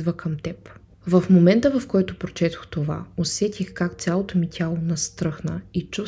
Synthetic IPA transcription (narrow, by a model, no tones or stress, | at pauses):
d̪vəkʰɐmt̪ɛp | vɐfmomɛnt̪əvɐfkɔjt̪ʊpɾot͡ʃɛt̪o̥xt̪ova̰osɛt̪ʲixkakt̪sʲjalˠot̪omit̪ʲalˠonɐst̪ɾɤxnəit͡ʃu